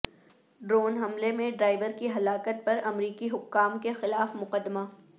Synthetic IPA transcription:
ɖɾoːnɦɐmlemẽɖɾaːɪʋəɾkiɦɐlaːkət̪̚pɐɾɐmɾiːkiɦʊkːaːmkexɪlaːfmʊqəd̪ːmaː

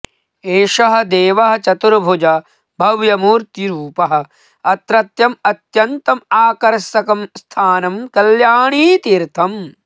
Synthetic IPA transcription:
eːʃɐɦɐ̆d̪eːʋɐɦɐ̆t͡ʃɐt̪uɾbʱud͡ʒɐ | bʱɐʋjɐmuːɾt̪iɾuːpɐɦɐ̆ | ɐt̪ɾɐt̪jɐmɐt̪jɐnt̪ɐmaːkɐɾsɐkɐmst̪ʰaːnɐmkɐljaːɳiːt̪iːɾt̪ʰɐm

